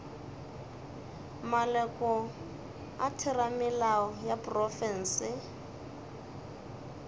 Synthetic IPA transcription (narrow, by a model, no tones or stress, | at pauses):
malɛkɔ | atʰɪramɪlaɔjapʼrɔfɛn̩sɪ